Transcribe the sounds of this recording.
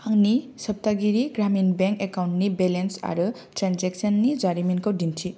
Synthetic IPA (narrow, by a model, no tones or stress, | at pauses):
haŋnisʌp̚t̪aɡiɾiɡɾaminbeŋkekawnʈnibelensa̰ɾu | tɾanzeksənːid͡ʒaɾiminkowdintʰi